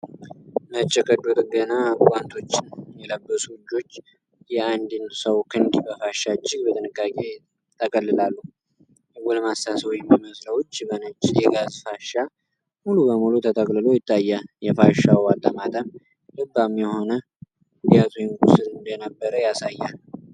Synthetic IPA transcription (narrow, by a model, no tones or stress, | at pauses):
mət͡ʃʼːɛkʼəd̪ut̪ʼɡənakʼant̪ʰo̞t͡ʃːɪnjɛləbːəsuwɨd͡ʒːo̞t͡ʃː | jɛand̪nsəwkʰɨnd̪bəfaʃːat͡ʃʼːɪɡbət̪ʼɨnɨkʼːakʼe̞ | t̪ʰəkʼəlːɨlalːu | ɨwulmast̪asəwjɛmːiməsləwt͡ʃːbənət͡ʃʼːɪjɛɡazfaʃa | mulubəmulut̪ʰət̪ʰʼəkʼlɨlo̞jɪt̪ʼːajːajɛfaʃawat̪ʼːəmat̪ʼəm | lɨbamjɛho̞nə | ud̪jat̪ʰujnɡusɨnnd̪ənəbːəɾəjasajːal